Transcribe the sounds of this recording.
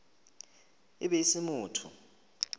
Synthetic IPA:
ḭɓɛisimuːtʰu

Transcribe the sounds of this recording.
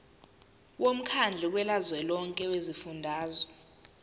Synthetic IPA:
wom̩kʰand͡ɮʱɛk̬wɛlazwɛlɔŋkʼɛwezifundʱaːzɔ

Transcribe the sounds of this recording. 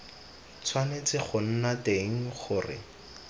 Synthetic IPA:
t͡sʰwanet͡sɪχʊn̩nateŋ̩χʊrɪ̰

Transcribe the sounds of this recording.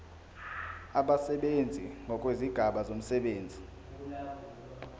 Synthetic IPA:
aɓasɛɓend͡zʱiŋɡʱɔk̬ʼweziɡ̥ʱaɓazom̩sɛɓeːnd͡zʱi

